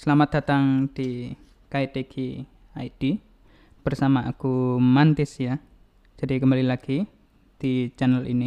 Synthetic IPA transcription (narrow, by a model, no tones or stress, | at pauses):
səlamat̪̚d̥a̤t̪aŋd̪̥i | kaid̪ekʰi | ajd̥i | b̥ərsamaʔakumant̪ɪsja | d͡ʒ̥adikəmbalilaɡ̥i | d̪̥it͡ʃanəlʔḭni